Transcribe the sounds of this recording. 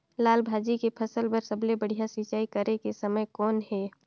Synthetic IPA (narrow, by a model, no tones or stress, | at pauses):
laːlbʱaːd͡ʒikepʰəsəlpəɾsəblebəɽ̤ijasit͡ʃaːikəɾekesəməjkɔːnɦɛː